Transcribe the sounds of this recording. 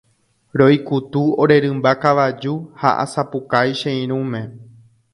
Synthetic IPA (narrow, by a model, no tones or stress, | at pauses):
ɾojkut̪uoɾe̞ɾɨ̃mbakaʋad͡ʒuha̰ʔa̰sapukajʃẽĩɾ̃ũmẽ̞